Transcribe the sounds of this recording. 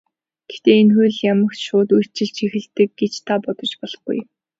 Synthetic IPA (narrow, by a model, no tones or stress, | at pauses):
ɡ̥e̥xʰt̪eːenxujɮjamə̆ktʃʊːt̪ujʰt͡ɕɪ̆ɮt͡ɕʰixɘ̆ɬt̪ɘ̆k̚ɡet͡ɕt̪ʰapɔt̪ɞ̆t͡ɕpɔɮɞ̆χɡṵj